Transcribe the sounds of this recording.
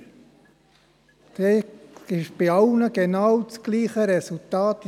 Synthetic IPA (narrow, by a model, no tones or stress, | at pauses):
d̥eɪʃb̥ɪɑʊnəɡ̥enɑwt͡sɡ̥liːχəɾɛsultɑːt